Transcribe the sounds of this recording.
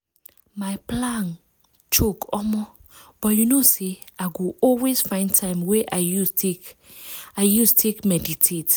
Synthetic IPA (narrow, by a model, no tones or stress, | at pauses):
majplãn | t͡ʃokɔmɔb̥ɔtjunoseaɪɡoʔɔlwesfãɪ̃ntʰãɪ̃mwɛʔaɪjutek | aɪjustʰekmɛditʰet